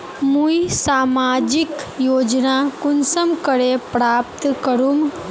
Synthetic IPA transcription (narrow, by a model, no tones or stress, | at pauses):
mujsamad͡ʒikjod͡ʒnakunsəmkəɽepɾapt̪kəɾum